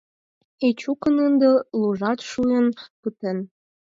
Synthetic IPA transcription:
et͡ɕukənənd̪ə̆luʒɑt̪ʃujənpɯt̪en

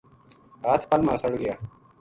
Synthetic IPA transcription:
aːt̪ʰpɐlmãːsɐɽɡɪjaː

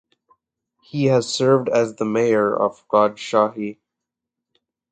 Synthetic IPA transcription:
hihɨz̥sɜ˞vdæzðəmeɪə˞ʌ̰v̥ɡ̥ɑdʃɑɦi

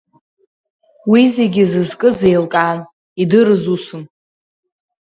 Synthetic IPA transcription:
wize̞ɡʲɪzɨzkʼɨze̞jlkʼan | idɨɾɨzusɨn

